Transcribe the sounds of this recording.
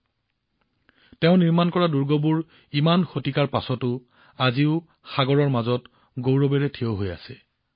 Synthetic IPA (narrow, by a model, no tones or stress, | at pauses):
teʊ̃niɹmankɔɹaduɹɡobuɹ | imanxotikaɹpasɔtʊ | aziʊ | xaɡɔɹɔɹmazɔt | ɡowɹobeɹɛtʰioɦoja̰sɛ